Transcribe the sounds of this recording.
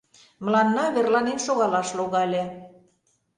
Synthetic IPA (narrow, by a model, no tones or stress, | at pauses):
məlɑnːɑβʲerlɑninʃoɣɑlɑʃloɣɑlʲĕ